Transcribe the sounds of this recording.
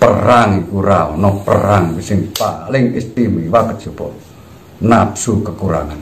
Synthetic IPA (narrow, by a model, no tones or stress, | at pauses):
pəɾaŋikuɾaɔnɔpə̰ɾaŋbisiŋpaliŋist̪imiwakət̪t͡ʃupɔ̰ʔ | napsukəkuɾa̰ŋan